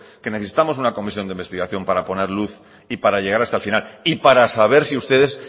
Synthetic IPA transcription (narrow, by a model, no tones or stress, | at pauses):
ke̞neθesi̥t̪amo̞s̬unako̞misjoneimbe̞st̪iɣaθjo̞mpaɾapo̞ne̞ɾluθ | ipaɾaʎe̞ɣ̞aɾast̪alfinalipaɾasaβ̞e̞ɾsiust̪e̞ðe̞s